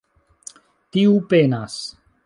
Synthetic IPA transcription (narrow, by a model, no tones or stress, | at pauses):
t̪iupenas